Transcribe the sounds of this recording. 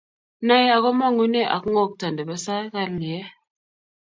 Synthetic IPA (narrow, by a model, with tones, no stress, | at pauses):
na˦ja˨ɣo˦ma˦˨ŋu˦ne˦˨ʔa̰˨kŋo˦˨k̚ta˨ndə˨bə˦sa˦ka˦ɾni˨jɛ˦